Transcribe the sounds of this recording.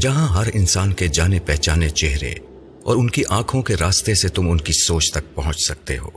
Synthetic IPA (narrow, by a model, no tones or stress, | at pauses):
d͡ʒɐɦãɦɐɾɪnsaːnked͡ʒaːnepɛɦt͡ʃaːnet͡ʃeɦɾḛ | ɔ̰ːɾʊnkiʔãːkʰõkeɾaːst̪eset̪ʊmʊnkisoːt͡ʃt̪ɐk̚pɐɦʊ̃t͡ʃsɐk̚t̪ḛɦo̰ː